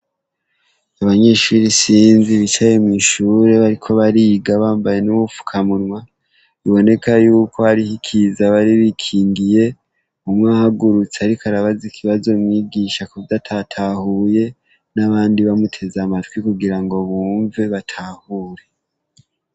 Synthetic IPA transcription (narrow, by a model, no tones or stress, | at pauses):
aβaɲe̞ːʃuːɾisiːnziβit͡ʃaje̞mwiːʃuːɾe̞βaɾikʰo̞βaɾiɡaβaːmbaje̞nuβufu̥kʰamunwa | iβo̞ne̞kʰajuːko̞aɾihikʰizaβaɾiβikʰiːŋɡije̞ | umŋahaɡuɾut͡seaɾikaɾaβazikʰiβazo̞mwiːɡiːʃakuvdatʰatʰahuje̞ | naβaːndiβamutʰe̞zamatkwikuɡiɾaŋɡo̞βuːɱveβatʰahuːɾe̞